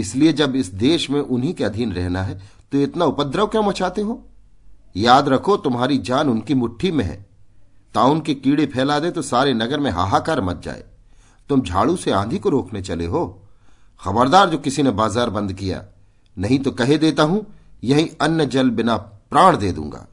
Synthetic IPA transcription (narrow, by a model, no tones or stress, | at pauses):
ɪslied͡ʒɐbɪsd̪eːʃmẽʔʊnɦikeɐd̪ʱiːnɾɛɦnaɦɛt̪oɪt̪naʊpəd̪ɾəʋkjõmɐt͡ʃaːt̪eɦoː | jaːd̪ɾɐkʰot̪ʊmɦaːɾid͡ʒaːnʊnkimʊʈʰːimẽɦɛ̰̃ː | t̪aːʊnkekiːɽepʰɛːlad̪et̪osaːɾenɐɡəɾmẽɦa̰ːɦaːkaːɾmɐt̪̚d͡ʒa̰ːḛː | t̪ʊmd͡ʒʱa̰ːɭuseãːd̪ʱikoɾoːknet͡ʃɐlḛɦoː | xɐbəɾd̪aːɾd͡ʒoːkɪsinebaːzaːɾbɐ̃nd̪kija̰ː | nɐɦĩt̪okɐɦed̪eːt̪aɦũjɐɦĩɐnjəd͡ʒɐlbɪnapɾaːɽ̃d̪eːd̪ṵ̃ːŋɡa̰ː